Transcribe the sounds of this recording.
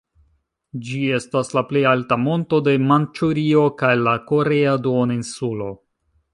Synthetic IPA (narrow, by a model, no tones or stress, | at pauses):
d͡ʒie̞staslaple̞jaltamo̞nto̞de̞mant͡ʃuɾio̞kajlako̞ɾe̞adooninsulo̞